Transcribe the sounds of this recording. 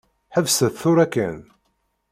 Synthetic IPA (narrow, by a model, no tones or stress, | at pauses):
ħəvsəθθʊɾækːæ̰n